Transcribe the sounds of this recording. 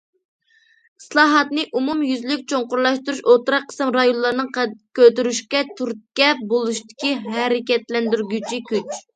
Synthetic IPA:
ɨslˠɑːɦɑt̪nɨʔumumjyzlykʲt͡ʃʰoɴqʊɾlˠɑʃt̪uɾuʃot̪ɾɑqʰːə̥sɨmɾɑjonlːˠɑɾnɨŋqkʲøt̪yɾyʃkʲɛt̪ʰuɾt̪̚kʲɛpbolˠuʃt̪ɪ̥kʲiɦɛɾɪkʲɛt̪lɛnd̪yɾɡʲyt͡ʃʰikʲyt͡ʃ

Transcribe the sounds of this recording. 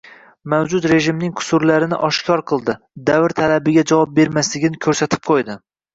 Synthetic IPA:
mawd͡ʒʊt̪ɾe̞ʒɪmnɪŋqʰʊ̥sʊɾlaɾɪnɪ̰ʔɒʃkʲʰɒɾqʰɨlˠd̪ɪ | d̪avɾt̪ʰalabɪɡʲad͡ʒavɒp̚be̞ɾmaslɪɡʲɪnɪkʲʰɵɾsat̪ʰɪ̥p̚qʰojd̪ɪ

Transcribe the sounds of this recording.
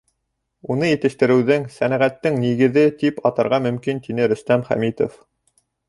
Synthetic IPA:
unɤjɘ̆t̪ɘ̆ʃt̪ɘ̆ɾɘ̆wðɘŋsænæʁæt̪ːɘŋniɡɘ̆ðɘt̪ipɑt̪ɑ̆ɾʁɑmɵ̆mkint̪inɘɾɵ̆st̪æmχæ̰mit̪o̰f

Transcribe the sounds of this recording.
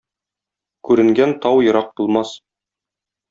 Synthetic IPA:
kʉɾɘ̆ŋɡænt̪ɑwjɤ̆ɾɑq̚bulˠmɑs

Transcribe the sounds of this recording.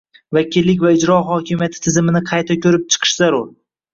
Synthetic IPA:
vakʲʰɪlːɪkʲvaɪd͡ʒɾɒɦɒkʲʰɪmijat̪ʰɪ̥t̪ʰɪzɪmɪnɪqʰɑjt̪ʰakʲʰɵɾɪp̚t͡ʃʰɨ̥qʰɨ̥ʃzaɾʊɾ

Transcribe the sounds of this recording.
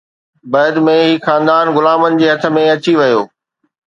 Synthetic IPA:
bɐːd̪mẽɦiːxaːnd̪aːnɣʊlaːmənɪ̆d͡ʑeːɦɐt̪ʰə̆mẽɐt͡ɕiʋɐjoː

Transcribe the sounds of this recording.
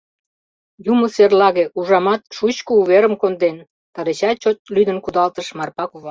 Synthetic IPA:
juməserlɑɣeuʒɑmɑt̪ʃut͡ɕkəuβeɾəmkond̪en | t̪ɑɾet͡ɕɑt͡ɕot̪̚lyd̪ənkud̪ɑlt̪əʃmɑrpɑkuβɑ

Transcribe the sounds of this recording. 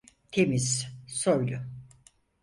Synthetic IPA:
t̪ʰemissoɾlʊ

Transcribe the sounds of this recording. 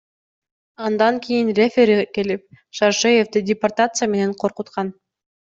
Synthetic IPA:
ɑnd̪ɑŋkʲijinrʲefʲeɾke̞lip̚ | ʃɑɾʃejevd̪ɪdʲɪport̪at̪sɨjame̞ne̞ɴqʰo̞ɾqut̪qɑn

